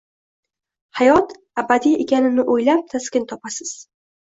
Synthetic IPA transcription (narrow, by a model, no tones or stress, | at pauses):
hajɒt̪ | abad̪ijekʲʰanɪnɪʔojlap̚t̪ʰaskʲɪnt̪ʰɒpasɪz̥